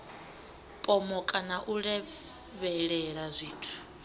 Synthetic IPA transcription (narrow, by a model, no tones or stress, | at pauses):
pʼɔmɔkʼanaʔuɺɛ | βɛɺɛɺazʷiːtʰu̥